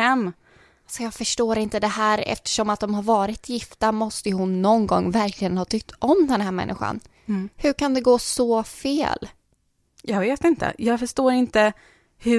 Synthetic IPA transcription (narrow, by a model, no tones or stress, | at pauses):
ɛmː | alsɔjɑːɡfœʂʈoːɾɪnt̪əd̪ɛhæːɾɛ̰ft̪ə̥ʂɔmat̪̚d̪ɔmhaɾvɑːɾɪt̪ʰjɪft̪amɔst̪əjɵɦʊnːɔnɡɔ̰ŋːvæɾkʰlɪɡənhɑːt̪ʰʏk̚t̪ʰɔmd̪ɛnhæːɾmɛ̰nːʔɪ̰ɧa̰n | hɵɾkʰand̪ɛɡoːsɔfḛːl | jɑːɡveːt̪ɪnt̪ə̰jɑːɡfœʂʈoːɾɪnt̪ə | hɵ